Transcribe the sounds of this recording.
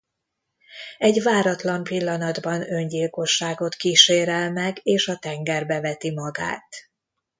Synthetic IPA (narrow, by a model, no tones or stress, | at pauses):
ɛɟvaːɾɒt̪lɒmpilːɒnɒd̪bɒnø̞ɲɟilko̞ʃːaːɡo̞t̪kiːʃeːɾɛlmɛɡeːʃɒt̪ɛŋɡɛrbɛvɛt̪imɒɡa̰ːt̪